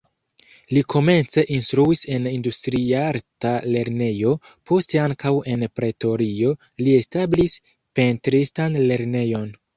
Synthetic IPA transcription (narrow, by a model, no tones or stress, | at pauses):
likʰo̞me̞nt͡se̞ʔinstɾuise̞nindustɾiaɾtale̞ɾne̞jo̞ | pʰo̞ste̞aŋkawe̞npɾe̞to̞ɾio̞ | lie̞stablis | pe̞ntɾistanle̞ɾne̞jo̞n